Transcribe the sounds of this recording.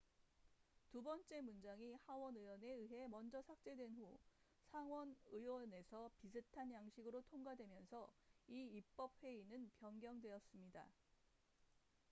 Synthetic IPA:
tubʌnt͡ɕ͈e̞mund͡ʑaŋihawʌnɯjwʌne̞ɯɦe̞mʌnd͡ʑʌsʰak̚t͡ɕ͈e̞dwe̞nɸu | sʰaŋwʌnɯwʌne̞sʰʌpisʰɯtʰanjaŋɕʰiɡɯɾotʰoŋɡadwe̞mjʌnsʰʌiip̚p͈ʌp̚ɸwe̞inɯnpjʌnɡjʌŋdwe̞ʌs͈ɯmɲida̰

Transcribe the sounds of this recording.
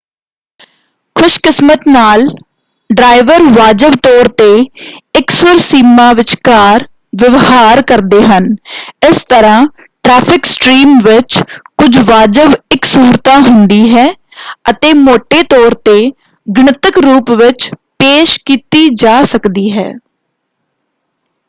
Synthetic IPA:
kʰʊʃkɪsmət̪naːl | ɖɾaːɪʋəɾʋaːd͡ʒəʋt̪ɔːɾt̪eːɪksʊɾsiːmãːʋɪt͡ʃkaːɾ | ʋɪʋɦaːɾkəɾd̪eːɦənɪst̪əɾãː | ʈɾɛːpʰɪksʈɾiːmʋɪt͡ʃkʊd͡ʒʱʋaːd͡ʒəʋɪksuːɾt̪aːɦʊnd̪iːɦɛː | ət̪eːmoːʈːeːt̪ɔːɾt̪eː | ɡɳət̪əkɾuːpʋɪt͡ʃpeːʃkiːt̪iːd͡ʒaːsəkd̪iːɦɛ̰ː

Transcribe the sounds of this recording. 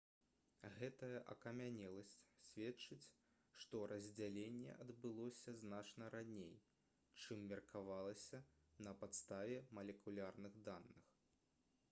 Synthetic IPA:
ɣɛt̪ɐjɐʔɐ̰kɐmʲanʲɛlˠɐsʲt͡sʲsʲvʲɛt͡ʂɨt͡sʲ | ʂt̪ɔɾʔɐzʲd͡zʲalʲenʲːɛ̰ʔɐd̪bɨlˠɔsʲɐznat͡ʂnɐɾanʲej | t͡ʂɨmːʲɛrkʰavalˠɐsʲɐnɐpat̪st̪avʲɛmɐlʲɛkulʲarnɨɣd̪anːɨx

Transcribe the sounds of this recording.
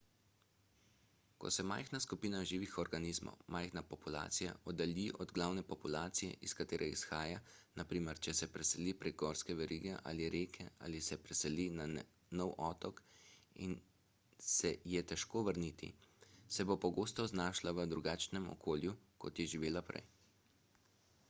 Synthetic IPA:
kɔ̰sɛmajxnaskupiːnaʒiːʋixɔɾɡaniːzmɔ̰wmajxnapɔpula̰ːt̪sija̰ɔd̪aliʔɔd̪ɡlawnɛpɔpulaːt̪sijɛ̰ʔiskat̪eːɾʔɛisxaːjanapɾiːmɛɾt͡ʃɛsɛpɾɛsɛliːpɾɛɡ̚ɡɔɾskɛʋɛɾiːɡɛʔa̰ːliɾeːkʰɛa̰ːlisɛpɾɛsɛlina | nɔwʔɔt̪ɔkḭn | sɛjɛt̪ɛʃkoːʋəɾniːt̪ḭsɛbopɔɡoːst̪ɔznaːʃlaʋəd̪ɾuɡaːt͡ʃnɛmɔ̰kʰoːljukɔt̪jɛʒiʋeːlapɾɛ̰j

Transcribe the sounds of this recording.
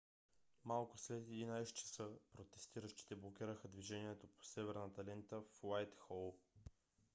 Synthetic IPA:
malˠkʊslɛt̪ɛd̪inajsɛ̥t͡ʃɐ̥sɤpɾot̪ɛst̪iɾəʃt̪i̥t̪ɛblˠokʲiɾəxəd̪viʒɛniɛt̪opo̥sɛvɛɾnət̪ɐlɛnt̪əfwajt̪xɔlˠ

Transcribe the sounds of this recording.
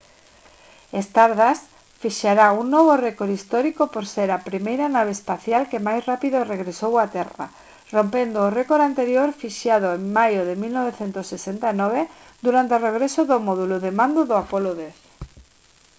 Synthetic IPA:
est̪aɾðas | fiʃaɾauŋnɔβ̞orekoɾist̪ɔɾikopoɾseɾapɾimejɾanaβ̞eːspaθjalkemajsrapiðoreɣɾesowat̪ɛra̰ | rompend̪oːrɛkoɾant̪eɾjoɾfiʃjaðoeŋmajoðemilnoβ̞eθent̪ʊsːesent̪anɔβ̞e | d̪uɾant̪eoreɣ̞ɾesoðomɔðulʊðemãnd̪oðʊapoloðeθ

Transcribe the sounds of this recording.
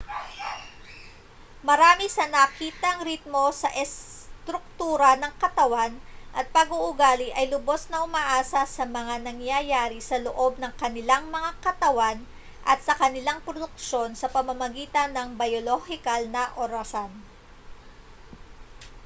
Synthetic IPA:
mɐɾaːmisɐnɐkiːt̪ɐŋɾit̪̚mo̞sɐʔɛst̪ɾʊk̚t̪uːɾɐnɐŋkɐt̪ɐwanʔɐt̪̚pɐɡuʔʊɡaːlɪʔɐjlʊbo̞snɐʔʊmaʔaːsɐsɐmɐŋanɐŋjajaːɾisɐloʔo̞b̚nɐŋkɐnɪlaŋmɐŋakɐt̪ɐwan | ʔɐt̪̚sɐkɐnɪlaŋpɾod̪ʊk̚ʃo̞nsɐpɐmɐmɐɡiːt̪ɐnːɐŋbɐjolohɪkɐlnɐʔoɾɐsan

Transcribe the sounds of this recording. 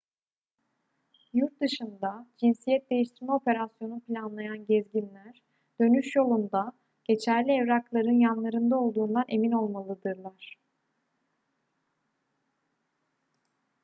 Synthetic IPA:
juɾt̪̚d̪ɯʃɯnd̪ad͡ʒinsijɛt̪̚d̪e̞jiʃt̪ʰiɾmɛo̞pʰe̞ɾasjo̞nupʰlʲanlˠajanɟɛzɟinlʲæɾ | d̪̥ø̞nyʃjo̞lˠund̪a | ɟ̥e̞t͡ʃʰæɾlʲiɛvɾaklˠaɾɯnjanlˠaɾɯnd̪ao̞lˠd̪uːnd̪anʔe̞mino̞lˠmalˠɯd̪ɯɾlˠaɾ̥

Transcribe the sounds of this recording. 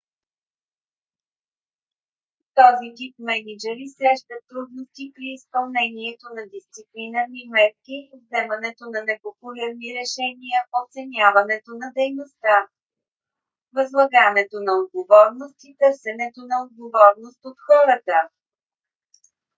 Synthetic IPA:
t̪ɔzit̪ipmɛnid͡ʒɛɾisɾɛʃt̪ət̪ːɾud̪nost̪ipɾiːspɐlˠnɛniɛt̪onɐd̪ist̪siplinəɾnimɛt̪̚kivzɛmɐnɛt̪onɐnɛpopʊlʲɛɾniɾɛʃɛnijəʔot̪sɛnʲavɐnɛt̪onɐd̪ɛjnost̪a | vɐzlˠɐɡanɛt̪onɐod̪̚ɡovɔɾnost̪it̪ɤɾsɛnɛt̪onɐod̪̚ɡovɔɾnost̪ot̪xɔɾət̪ə

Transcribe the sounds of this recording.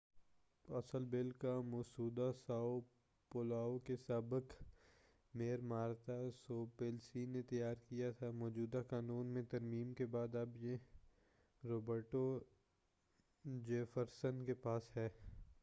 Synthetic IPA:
ɐsəlbɪlkamʊːsuːd̪asaːo | polaːokesaːbək | meːɾmaːɾt̪asoːpeːlsiːnẽt̪ɐjaːɾkijat̪ʰamɔːd͡ʒuːd̪akaːnuːnmẽt̪ɐɾmiːmkebaːd̪ɐbje | ɾoːbəɾʈo | d͡ʒeːfəɾsənkepaːsɦɛː

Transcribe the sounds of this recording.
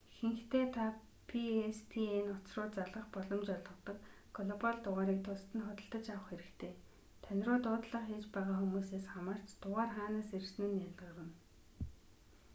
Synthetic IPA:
xĕŋxt̪ʰeːt̪ʰa | pʰiespʰienʊt͡srʊːt͡saɮʁə̆χpɔɮɞ̆mt͡ɕɔɮʁɞ̆t̪ɞ̆k | ɡɔɮɔpaɮt̪ʊʁaːɾiːk̚t̪ʰʊst̪ɘ̆nχɔt̪ə̆ɬt̪ə̆t͡ɕawə̆χxeɾɘ̆kt̪ʰeː | t̪ʰœnʲrʊːt̪ʊːt̪ɮə̆χet͡ɕpæːʁaːxumuːseːsχamar̥t͡ɕt̪ʊʁaːrχaːnaːsersnŭːnjaɮʁə̆ʁə̆n

